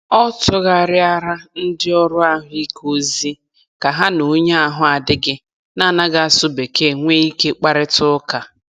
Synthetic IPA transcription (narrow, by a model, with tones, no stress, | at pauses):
ɔ˦tʊ˦ɣa˨ɾɪ˦a˦ɾa˦n̩˦dɪ˦ɔ˦ɾʊ˦a˦ɦʊ˦i˦ko˦zi˦ | ka˨ɦa˦nu˨˦ɲa˦a˨ɦʊ˦a˨dɪ˦ɡɪ˦ | na˦˨na˦ɡa˨a˨sʊ˦be˨ke˦˨ŋʷe˦i˦ke˦k͡pa˦ɾɪ˦tʊ˦ka˨